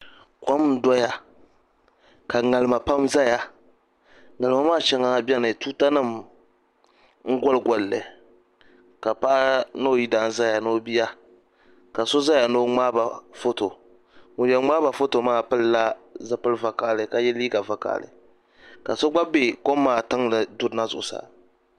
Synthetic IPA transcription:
kʷɔ˦m˨˦dɔ˦ja˦ | ka˨ŋa˨lɨ˨ma˨pa˦mza˦ja˦ | ŋa˨lɨ˨ma˨maː˦˨t͡ʃɛ˦ŋa˦˨ba˦nɨ˨tuː˦ta˦nɨ˦˨m | ŋ̩˦ɡʷɔ˦lɡɔ˨llɨ˨ | ka˨pa˦ʔno˦˨ji˦daː˨˦n̩˦za˦ja˨no˦bi˦ja˦ | ka˨so˦za˦ja˨no˦ŋ͡maː˦ba˨fo˦to˨ | mʊ˨˦jɛ˨ŋ͡maː˦ba˨fo˦to˨maː˦pɨ˦lla˦za˦pɨ˦lva˨ka˦˨lɨ˨ka˨jɛ˦liː˦ɡa˨va˨ka̰˨lɨ̰˨ | ka˨so˦ɡ͡ba˦be˨kɔ˦mːaː˦˨ta˦ŋlɨ˨dʊ˦dna˦zʊ̰˨ʔʊ˨sa̰˨

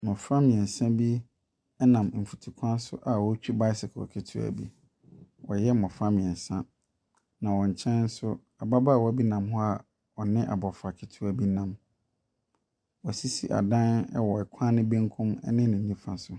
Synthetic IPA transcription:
mɔ̃˨fɾã˦mɪ̃˨ɛ̃˨n̩˨sã˦bi˦ | ɛ˦nã˨m˨m̩˨fu˨tʰi˨kʷʰã˦n˦sʊ̰˦ʔa˨wɔ˦t͡ɕᶣi˦ba˦ɪ˦sɪ˨kʰɔ̰˨kʰɪ˦tʰu˦æ̰˨bḭ˦ | wɔ˨jɛ˦mɔ̃˨fã˦mɪ̃˨ɛ̃˨sã˦ | nã˨wɔ̃˨ɲ̩˨t͡ɕʰɛ̃˦n˦n̩˦sʊ˦ | a˨ba˦ba˦˨wɔ˦bi˦nã˨mɦɔ˦a˦˨ | ɔ˨nɪ̃˦ʔa̰˨bɔ˨fa˨kʰɪ˦tʰu˦æ˨bi˦nã˨m | wɔ˨si˦si˦ʔa̰˨dã˦nɛ̰˦wɔ˨ɛ˨kʷʰã˦nɪ̃˦bẽ˦ŋkʰʊ̃˦mɛ˦nɪ̃˦nɪ̃˨nĩ˦fã˨sʊ˨

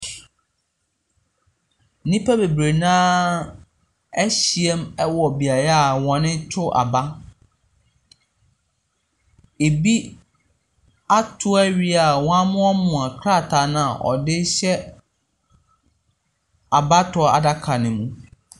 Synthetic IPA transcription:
nĩ˦pʰa˦be˨bɾe˨nãː˦ | ɛ˦ɕi˨ɛ˦mɛ˦wɔ˨bi˨a˨ɾa˦a˨wɔ̃˨nɪ̃˦tʰʊ˦ʔa̰˨ba˦ | e˨bi˦ | a˦tʰʊ˦ɛ˦ɥi˦a˨w̃ã˦mʊ̃˦ɔ˦mʊ̃˨ã˨kʰɾa˦˨tʰa˨nã˦a˨ʔɔ̰˨dɪ˦ɕɛ˦ | a˨ba˦tʰʊ˨˦˨a̰˨da˦kʰa˨nɪ̃˨mũ˦

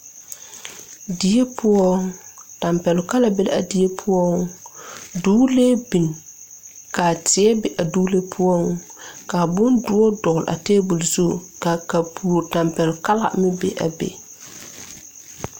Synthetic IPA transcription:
di˨e˦pʰʊ˦ɔ˦ŋta˨mpɛ˨lʊ˨ka˦la˨be˦l̰a̰˨di˨˦e˦pʰʊ˦ɔ˦ŋ | duː˦le˦bi˨n | ka˨tɪ˨˦ɛ˦be˨ʔa˨duː˦le˦pʰʊ˦ɔ˦ŋ | ka˨bʊ˦ndʊ˦ɔ˦dʊ˨lʔa̰˨teː˦bu˨lzu˦˨ka˨ka˨pʰuː˨ɾta˨mpɛ˨lʊ˨ka˦la̰˨mɪ˦bḛ˨ʔa̰˨bḛ˨

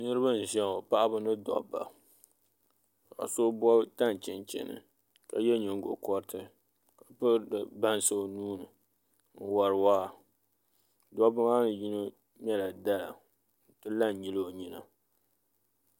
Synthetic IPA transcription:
nɨ˦ɾɨ˦bɨ˦n̩˨ʒɛ˦ŋo˨pa˦ʔa˦bɨ˦nɨ˦dɔ̰˨bːa̰˨ | a̰˨so˦bɔ˦ta˦n˨t͡ʃɪ˨nt͡ʃɛ̰˨nɨ̰˨ | ka˨jɛ˦ɲɪ˨ŋ˦ɡo̰˨kɔ˦ɾtɨ˦ | ka˨pɨ˦dɨ˨ba˦n˦sɨ˦˨nuː˦nɨ˨ | n̩˦wa˨ɾɨ˨waː˦˨ | dɔ˦ba˦maː˦nɨ˨ji˦no˦ | mɛ˦la˨da˦la̰˨ | n̩˨tɨ˦la˦˨n˨ɲi˦lo˦o˨ɲi˦na̰˨

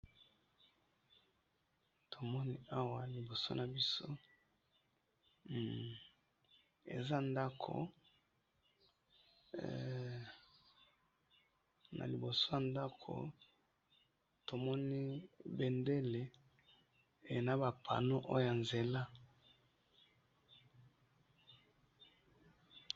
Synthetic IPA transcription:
to˨mɔ˦ni˦a˦wa˨li˨bo˨so̰˦na˨bi˦so˦˨ | ḛ˨za˦nda˦kʰo̰˨ | nʔa̰˨li˨bo˨so˦ja˨nda˦kʰo̰˨ | to˨mɔ˦ni˦be˨nde˦le˨ | e˨na˨ba˨pʰa̰˨no˦ʔo̰˦jo˦ja˨nze˨la˦

